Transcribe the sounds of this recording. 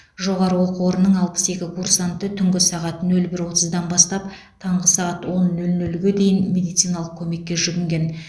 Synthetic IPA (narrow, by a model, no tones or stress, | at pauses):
ʒo̞ʁɑɾəwoqəwo̞ɾənːəɴɑlˠpə̥se̞kʲɪkʰursant̪ət̪ʰʏŋɡʲɪsɑʁɑt̪nɵlbɪɾwo̞t̪əzd̪ɑnbɑst̪ɑp | t̪ʰɑɴʁəsɑʁɑt̪wo̞nːɵlnɵlɡʲe̞d̪e̞jɪnmʲe̞d̪ijt̪sijnɑlˠəq̚kʲʰɵme̞kʲːe̞ʒʏɡʲɪŋɡʲe̞n